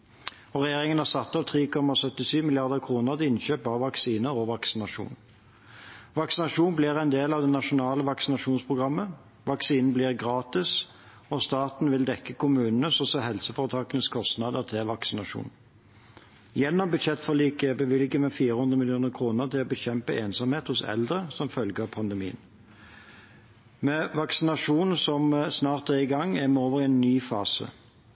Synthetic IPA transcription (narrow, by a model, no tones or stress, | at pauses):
ɔʁɛjeːʁɪŋənæʁsɑt̪ːɑʋt̪ʰʁiːkʰɔmːɑsœt̪ːɪsyːmɪlɪɑʁd̪əʁkʰʁuːnəʁt̪ʰɪɪnɕøːpɑʋːɑksiːnəɔʋɑksɪnɑʂṵːn | ʋɑksɪnɑʂuːnbliːʁæɛɪnd̪eːlɑʋd̪ɛnɑʂʊnɑːləʋɑksɪnɑʂuːnspʰʁʊɡʁɑmːə | ʋɑksiːnn̩bliːʁɡʁɑːt̪ɪs | ɔst̪ɑːt̪n̩ʋɪld̪ɛkːəkʰʊmʉːnn̩əsɔsɔɦɛlsəfoːʁət̪ʰɑːkənəskʰɔst̪nɑd̪əʁt̪ʰɪʋɑksɪnɑʂṵːn | jɛnːɔmbʉd̪ʃɛt̪ːfɔʁliːkəɛbəʋɪlɡəmɛfiːɾəhʉnd̪ʁəmɪlɪuːnəʁkʰʁuːnəʁt̪ʰɪlɔbəɕɛmpəʔeːnsɑmheːt̪hʊsɛ̰ld̪ʁəsɔmfœlɡəɑpʰɑnd̪ɛmḭːə̰n | mɛʋɑksɪnɑʂuːnsɔmsnɑːʁt̪̚ɛɛʁɪɡɑŋːæʁmɛoːʋəʁɪɛnːyːfɑːsə̰